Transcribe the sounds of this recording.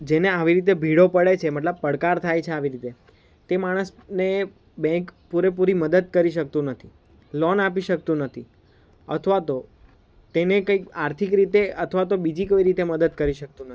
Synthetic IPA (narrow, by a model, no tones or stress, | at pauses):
d͡ʒeneaʋiɾit̪̬ebʱiɽopəɽet͡ʃʰeməʈ̬ləb̚pəɽkaɾt̪ʰajt͡ʃʰeaʋiɾit̪e | t̪emaɽ̃əsne | bɛ̃ŋkpuɾep̬uɾiməd̪əd̪̚kəɾiʃəkt̪ũnət̪ʰi | lɔnapiʃək̚t̪ũnət̪ʰi | ət̪ʰʋat̪o | t̪enekəikaɾt̪ʰikɾit̪eət̪ʰʋat̪obid͡ʒikoiɾit̪eməd̪əd̪̚kəɾiʃək̚t̪ũnət̪ʰi̥